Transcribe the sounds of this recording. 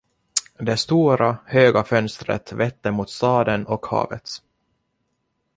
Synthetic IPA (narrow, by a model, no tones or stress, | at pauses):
d̪ɛst̪uːɾahøːɡafœnst̪ɾə̰t̪vɛt̪ːəmut̪st̪ɑːd̪ənɔkhɑ̰ːvə̰t̪